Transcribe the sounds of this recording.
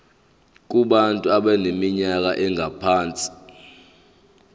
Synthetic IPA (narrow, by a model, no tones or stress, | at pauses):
k̬uɓantʼuaɓɛnemiɲak̬aʔɛŋʱapʰaːnt͡sʼi̥